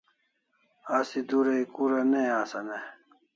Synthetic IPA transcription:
aːsid̪uːɾeikuːɾɐneaːsɐne

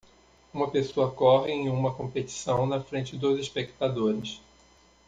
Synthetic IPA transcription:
ũmɐpesoɐkɔɦɪẽj̃ũmɐkõmpet͡ʃi̥sɐ̃w̃nɐfɾẽnt͡ʃɪd̪oziʃpekt̪ad̪oɾɪs

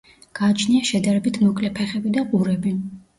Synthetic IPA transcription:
ɡ̥aːt͡ʃʰniaʃɛd̪aɾɛbit̪ʰmɔkʼlɛpʰɛχɛbid̪aqʼuɾɛbi

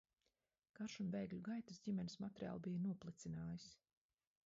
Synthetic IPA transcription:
kaɾʃunvɛjɡʎʲuɡajt̪asdʲimʲɛnismat̪eɾia̰ːlˠbijənuɔplˠit̪sinaːjis

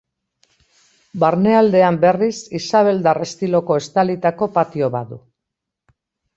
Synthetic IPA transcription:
baɾne̞ald̪e̞ambe̞risisaβ̞e̞ld̪are̞st̪ilo̞ko̞e̞st̪alit̪ako̞pat̪io̞βaðu

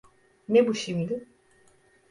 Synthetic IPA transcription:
nebuʃimd̪i

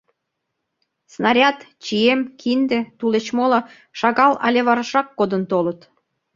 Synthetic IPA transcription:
snɑɾʲɑt̪t͡ɕiemkʰind̪et̪ulet͡ɕmolo | ʃɑɣɑlɑ̰lʲeβɑɾɑʃɑkːod̪ənt̪olət̪

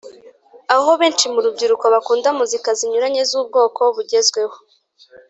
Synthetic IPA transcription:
aho̞βe̞ːnt͡ʃimuɾub̚ɟiɾuko̞βakuːndamuzikaziɲuɾaɲe̞zuːb̚ɡo̞ːkoβuɟe̞zɡwe̞ho̞̥

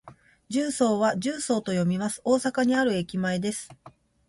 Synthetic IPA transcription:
d͡ʑɨːso̞ːβaʑɨːso̞ːt̪ojo̞mʲimasɨ̥o̞ːsakaɲ̟iaɾɯ̟e̞kʲimae̞d̪e̞sɨ̥

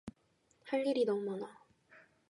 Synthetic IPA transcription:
haʎːiɾinʌmumana

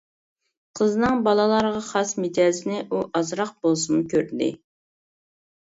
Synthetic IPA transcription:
qʰəznɨŋbɑlˠɑlˠɑɾʁɑχɑsmɪd͡ʒɑːzɪnɪʔuʔɑzɾɑq̚bolˠsunɨkʲʰøɾd̪ɪ̰

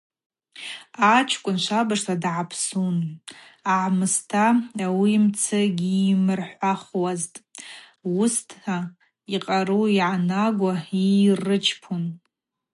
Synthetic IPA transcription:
at͡ʃʰkʷʼʊnʃʷabaʂsadʕapʰsun | aʕmɨstʰaawiːmt͡sʰɨɡʲiːmɨrħʷaχwaztʼ | ustʰħa | iqʼaɾuiʕanaɡʷairɨt͡ʃʰpʰun

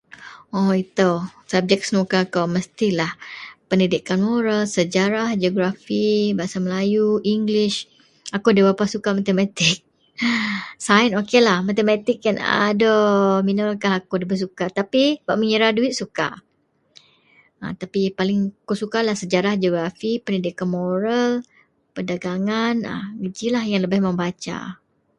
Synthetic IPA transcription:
oit̪osab̚d͡ʒɛk̚snukakawməst̪ilahpəndidikanmoɾalsəd͡ʒaɾahd͡ʒoɡɾafibasaməlajuʔiŋɡliʃ | akudabapasukamat̪əmat̪ɪk̚ | sanokelahmat̪əmat̪ɪk̚jana̰dominəlkaɦakudabəs̬ukat̪apibaʔməŋəɾaduɪt̪̚suka̰ | a̰t̪apipalɪŋakusukalahsəd͡ʒaɾahd͡ʒoɡɾafipənidikanmoɾal | pədaɡaŋana̰ɡəd͡ʒilahjaŋləbɪhməmbat͡ʃa̰

